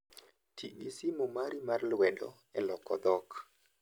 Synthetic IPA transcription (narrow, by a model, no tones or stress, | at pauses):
tʰiisimomaɾimarlwɛdɔ̰ | ɛlɔkɔd̪ɔk